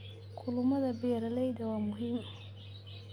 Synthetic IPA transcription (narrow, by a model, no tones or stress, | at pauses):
kʰʊlʊmɐðɐbɛːɾɐlɛjd̪ɐwaːmʊɦiːm